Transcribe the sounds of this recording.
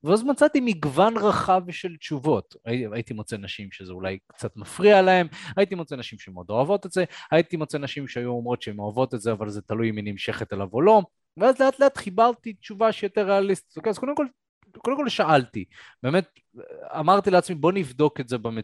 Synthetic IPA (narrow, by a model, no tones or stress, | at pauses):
veazmat͡sat̪imiɡvanʁaχavʃe̞ltt͡ʃuvo̞t̪aiajit̪imot͡se̞naʃimʃezeulajkt͡sat̪mafʁialahe̞majit̪imot͡se̞naʃimʃemo̞d̪o̞avo̞t̪e̞tze̞ajit̪imo̞t͡se̞naʃimʃeajuomʁo̞tʃeemoavo̞t̪etzeavalze̞t̪alujminimʃe̞χe̞t̪elavo̞lo̞ | veazleat̪leat̪χibaʁt̪itt͡ʃuvaʃejote̞ʁːealist̪i̥t̪okeaz̥kod̪emkol | kodemko̞lʃaʔalti | be̞ːme̞t̚ | a̰maʁt̪ileat͡smibo̞nivd̪o̞ketze̞beme